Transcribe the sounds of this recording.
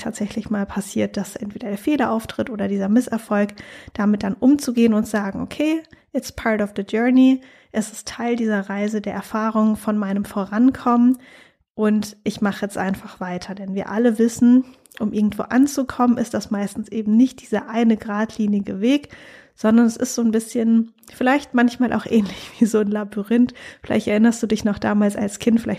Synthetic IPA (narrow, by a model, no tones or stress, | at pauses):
tʰa̰ːtz̥ɛçlɪçmaːlpʰasiːɐt̚d̥asʔɛntv̥eːdɐdeːɐfeːlɐʔaʊftʁ̥ɪtʔoːdɐdiːzɐmɪsɛɐfɔlkd̥amɪt̚d̥anʔʊmt͡suɡeːənʊntz̥aːɡŋ̩ʔokʰeːʔɪtspʰaɐtɔfðəd͡ʒœɐni | ʔɛsɪstʰːaɪldiːzɐʁaɪzədeːɐʔɛɐfaːʁ̞ʊŋəfɔnmaɪnəmfoːʁankʰɔmən | ʔʊntʔɪçmaχəjɛt͡stʔaɪnfaχv̥aɪtʰɐdɛnviːɐʔaləvɪsn̩ | ʔʊmʔɪɐɡŋ̩tv̥o̰ːʔant͡sukʰɔmənɪstd̥asmaɪstn̩sʔeːbm̩nɪçt̚d̥iːzɐʔaɪnəɡʁaːtʰliːnɪɡəveːk | z̥ɔndɐnɛsɪ̰stz̥oːnbɪsçən | fɪlaɪçtmançmaːlʔa̰ʊxʔɛːnlɪçv̥iːzoːnlabyʁɪntfɪla̰ɪçtɛɐʔɪnɐstd̥uːdɪçnɔχd̥a̰ːmaːlsa̰lskʰɪntfɪlaɪt